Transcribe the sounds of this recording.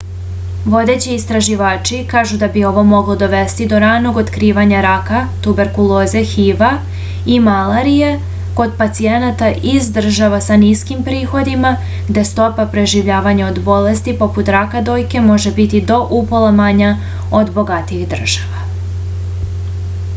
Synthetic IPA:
ʋo̞d̪e̞t͡ɕiːst̪ɾaʒiʋaːt͡ʃikaːʒud̪abio̞ʋo̞mo̞ɡlˠod̪o̞ʋe̞st̪id̪o̞ɾaːno̞ɡo̞t̪kɾiːʋaɲaɾakat̪ube̞ɾkulˠo̞ːze̞xiʋa | imalˠaɾije | ko̞d̪pat̪sienat̪aʔizd̪r̩ʒaʋasaniskimpɾiːxo̞d̪ima | ɡd̪e̞st̪o̞papɾe̞ʒiʋʎaːʋaɲao̞d̪bo̞le̞st̪ipo̞put̪ɾakad̪o̞ːjke̞mo̞ʒe̞bit̪id̪o̞ʔupo̞lˠamaɲa | od̪bo̞ɡat̪iiɣd̪r̩ʒ̥aʋa

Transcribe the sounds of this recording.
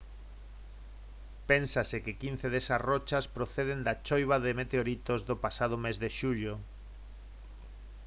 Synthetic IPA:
pensasekɪkin̟θeðesasrot͡ʃaspɾoθeð̞end̪at͡ʃojβ̞aðemet̪eoɾit̪ozðopasað̞omezðeʃuʎo

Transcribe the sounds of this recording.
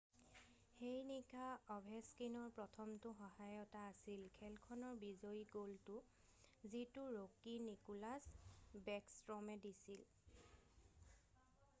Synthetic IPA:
xejnikʰaɔbʱɛskinɔɹpɹɔtʰɔmtʊxɔhajɔtaːsilkʰɛlkʰɔnɔɹbizoiɡoltʊ | zitʊɹokinikulasbɛkstɹɔmɛdisil

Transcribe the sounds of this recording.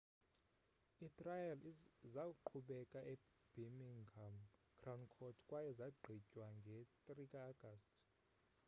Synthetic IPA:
itʼrajalzakuǃʰuɓɛkʼaʔɛ | b̥imiŋamkʰrawnkʰɔtʰkʼwajɛzaɡ͡ǃʱicʼwaŋɡʱɛt̪ʼrikʼaːɡ̥astʰʼ

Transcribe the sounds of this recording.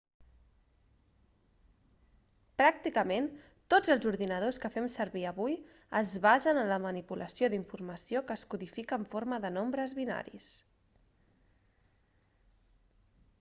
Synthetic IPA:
pɾak̚t̪ikəmen | t̪od͡zəlˠzuɾðinəð̞oskəfɛmsəɾβiəβuj | əzβaʒənənləmənipulʔəsioðiɱfurməsiokəːskuðifikəːɱfoɾməðənombɾəzβina̰ɾḭs

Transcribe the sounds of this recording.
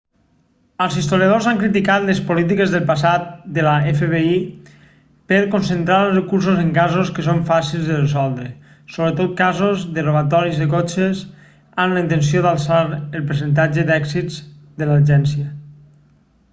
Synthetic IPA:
əlˠzist̪oljað̞ozaŋkɾit̪ikat̪lespolit̪̬ikezðəlˠpas̬at̪̚d̪əlaefeβei | peɾkonsent̪ɾaɾəlˠrəkuɾs̬ozeŋkazoskəs̬oɱfasilˠzðərəsɔlˠd̪ɾə | soβɾət̪ot̪̚kazozðəroβat̪ɔɾizðəkot͡ʃes | anləint̪ens̬ioðalˠsaɾəlˠpɾs̬ənt̪̬ad͡ʒəd̪ɛksid͡zd̪əlaʒɛnsiə

